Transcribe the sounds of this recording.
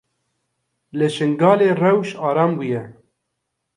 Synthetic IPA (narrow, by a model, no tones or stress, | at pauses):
lɨʃɨŋɡɑːleːrɛwʃɑːɾɑːmbujɛ